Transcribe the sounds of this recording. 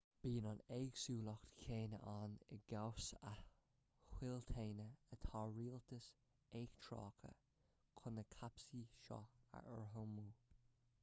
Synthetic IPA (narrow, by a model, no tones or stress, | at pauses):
b̥iːnɑneːɡsuːlɔxt̪kʰeːnə̰ʔanɪ̰ɡawsa | hwɪltʰeːnəət̪ʰɑːɹiːlt̪əs | eːɡt̪ʰɹɑ̰ːkʰə̰ | kʰʊnəkʰapsiːʃɔ̰a̰ə̰ɹɦomuː